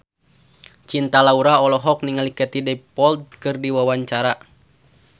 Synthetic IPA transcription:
t͡ʃint̪alauɾaɔlɔɦɔk̚niŋalikɛt̪idɛpɔld̪̚kɨrdiwawaɲt͡ʃaɾa

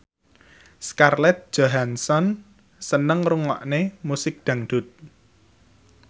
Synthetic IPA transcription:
skarlɛt̪̚d̥ʒ̥oɦansɔn | sənəŋruŋɔ̰ʔnemusɪk̚d̪̥ä̤ŋɖ̪̥ʊt̪̚

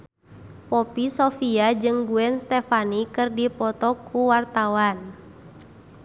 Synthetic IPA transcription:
pɔpisɔfiad͡ʒɨŋɡuɛnst̪ɛfanikɨrdipɔt̪ɔkʰuwart̪awan

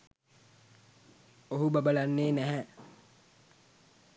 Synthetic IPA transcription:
oɦubabəlanːeːnæɦɛ

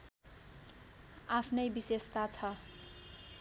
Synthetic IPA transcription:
apʰnʌjbisest̪at͡sʰʌ

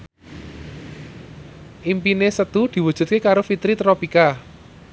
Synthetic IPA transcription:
ʔimpinesət̪ud̪̥i̤wud̥ʒ̥ṳt̪̚kekaɾofit̪ɾit̪ɾopika

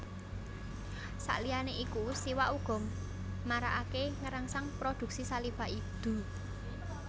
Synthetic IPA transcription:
sa̰ʔlijaneʔikust̪iwaʔuɡ̥ɔ̤mː | aɾaʔakeŋəɾaŋsaŋpɾod̪̥ṳk̚sisalifaʔid̪̥ṳ

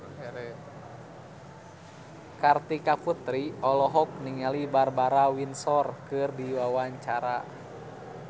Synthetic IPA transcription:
ɾɛ | kart̪ikaput̪ɾiɔlɔɦɔk̚niŋalibarbaɾawinsɔrkɨrdiwawaɲt͡ʃaɾa

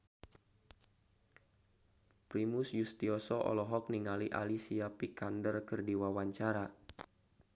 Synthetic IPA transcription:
pɾimusjust̪iɔsɔʔɔ̰lɔɦɔk̚niŋaliʔa̰lisiapikandərkərdiwawaɲt͡ʃaɾa

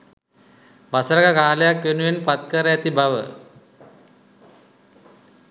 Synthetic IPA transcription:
ʋasəɾəɡəkaːləjakʋenuʋenpat̪kəɾəæt̪ibaʋə̰

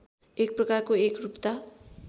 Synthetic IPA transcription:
ek̚prʌkarkoekrupt̪a

